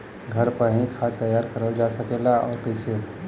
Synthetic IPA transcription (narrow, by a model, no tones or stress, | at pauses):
ɡʱəɾpəɦĩkʰat̪ːəjaɾkəɾəld͡ʒasəkelaɔːɾkəɪse